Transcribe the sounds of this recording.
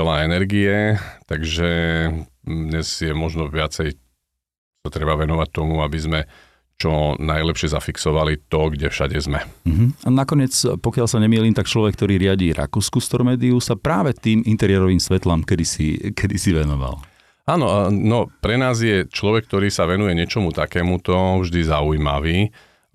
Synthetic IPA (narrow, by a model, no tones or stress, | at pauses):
ɛlaɛnɛɾɡiɛt̪aɡʒɛ | d̪ɲɛzjɛmɔʒnɔʋɪat͡sɛj | sat̪ɾɛbaʋɛnɔʋac̚t̪ɔmuabizmɛ | t͡ʃɔnajlɛpʃɛza̰fiksɔʋalit̪ɔɡɟɛfʃaɟɛzmɛm̩ɦ̩anakɔɲɪɛt͡spɔkɪaʎsaɲɛmiːliːmt̪akt͡ʃlɔʋɛk̚ːt̪ɔɾiːɾɪaɟiːɾʔa̰kuːskust̪ɔɾmɛːd̪iusapɾaːʋɛt̪iːmint̪ɛɾɪɛɾɔʋiːmsʋɛt̪laːmkɛd̪isḭkʰɛd̪isiʋɛnɔʋa̰l | aːnɔnɔpɾɛnaːzjɛt͡ʃlɔʋɛk̚t̪ɔɾiːsaʋɛnujɛɲɪɛt͡ʃɔmut̪akɛːmut̪ɔvʒd̪izaujima̰ʋiː